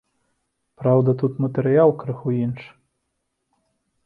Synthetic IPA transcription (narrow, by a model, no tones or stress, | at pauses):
pɾawd̪ɐt̪ut̪mɐt̪ɛɾɨjalˠkɾɨxuinʂ